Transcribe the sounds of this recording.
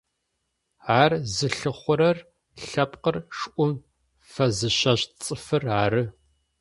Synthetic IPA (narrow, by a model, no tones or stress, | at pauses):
ʕaːrzɨɬɨχʷʊɾɐr | ɬɐpqərʂʔʷʊm | fɐzɨɕɐɕt͡sʼɨfɨraːɾɨ